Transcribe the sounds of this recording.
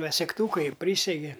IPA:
ʋɐ sʲɛkˈtuːkɐɪ ˈpʲrʲiːsʲɛɡʲɪ

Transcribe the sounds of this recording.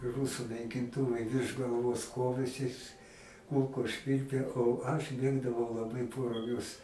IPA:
ɪ ˈruːsʊ nɐɪkʲɪnˈtʊʋɐɪ ʋʲɪrʃ ɡɐlˠˈʋoːs ˈkoːʋʲeːsʲɪs ˈkʊlˠkoːs ˈʃʲʋʲɪlʲpʲeː oː ɐʃ ˈmʲeːɡdɐʋɐʊ lˠɐˈbɐɪ poː rʊˈɡʲʊs

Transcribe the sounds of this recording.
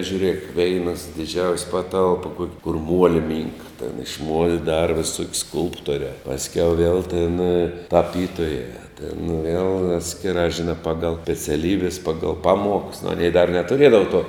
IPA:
ʒʲuːˈrʲeːk ˈʋʲɛɪnɐs dʲɪˈd͡ʒʲɛʊsʲ ˈpɑːˌtɐlˠp kuɔkʲ kʊr ˈmuɔlʲɪ ˈmʲiːŋkɐ tʲeːn ɪʃ muɔlʲ ˈdɑːrɐ ʋʲɪˈsuɔkʲ ˈskʊlˠptoːrʲɛː pɐsʲˈkʲɛʊ ʋʲiɛlˠ tʲeːn tɐˈpʲiːtoːjæː tʲeːn ʋʲeːlˠ ˈɑːtʲsʲkʲɪˌrɑː ʒʲɪˈnɑː ˈpɑːɡɐlˠ sʲpʲɛt͡sʲɛˈlʲiːbʲɛs ˈpɑːɡɐlˠ ˈpɑːˌmuɔks ɐˈnʲɛɪ dɐr nʲɛtʊˈrʲiɛdɐʋoː tuɔ

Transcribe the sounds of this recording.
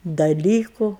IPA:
dɐˈlʲiːkʊ

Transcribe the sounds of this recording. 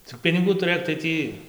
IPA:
t͡sʲɪk pʲɪnʲɪˈɡuː tʊˈrɘk tɐɪ ˈtʲiː

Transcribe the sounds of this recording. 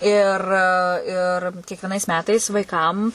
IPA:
ɪr ɪr kʲiɛkʋʲiɛˈnɐɪs ˈmʲæːtɐɪs ʋɐɪˈkɐm

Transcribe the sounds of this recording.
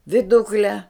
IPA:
ʋʲɪˈdʊklʲɛ

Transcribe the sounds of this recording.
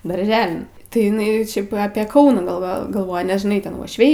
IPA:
dɐrʲˈʒʲæːlʲɪn tɐɪ ɪˈnɐɪ ˈʃʲɛɪp ɐpʲiɛ ˈkɐʊnɑː ɡɐlˠˈʋoː ɡɐlˠˈʋoːjɛ nʲɛs ʒʲɪˈnɐɪ tʲɛn uɔʃʲˈʋʲɛɪ

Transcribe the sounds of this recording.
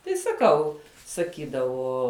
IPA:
tɐɪ sɐˈkɐʊ sɐˈkʲiːdɐʋoː

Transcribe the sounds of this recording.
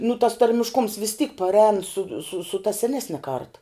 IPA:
nʊ tɐs tɐrʲmʲɪʃˈkʊms ʋʲɪs tʲiːk pɐrʲˈɛːn sʊ sʊ sʊ tɐ sʲɛˈnʲæːsʲnʲɛ kɐrt

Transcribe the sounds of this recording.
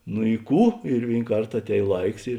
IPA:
nʊ ɪ ˈkuː ɪr ˈʋʲeːɪn ˈkɐrt ɐˈtʲɛːj ˈlˠɐɪks ɪr

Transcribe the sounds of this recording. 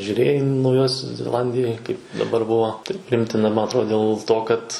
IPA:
ʒʲuːˈrʲeːjɛɪ nɐʊˈjoːsʲoːs zʲɛˈlˠɐnʲdʲɪjoːj kɐɪp dɐˈbɐr ˈbuɔ tɐɪ pʲrʲɪˈɪmʲtʲɪnɐ ˈmɐn ɐtˈroːt dʲeːlˠ ˈtoː kɐt

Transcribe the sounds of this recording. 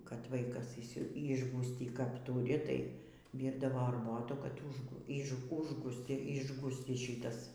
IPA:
kɐt ˈʋɐɪkɐs ɪʃʲˈsʲɪ ˈɪʒɡuːsʲtʲiː kɐp ˈtuːrʲɪ tɐɪ ˈʋʲiːrdɐʋoː ɐrˈboːtuː kɐt ˈʊʃ ɪʒˈɡuːs ʊʒˈɡuː ˈɪʒɡuːsʲt͡sʲɪs ˈʃʲɪtɐs

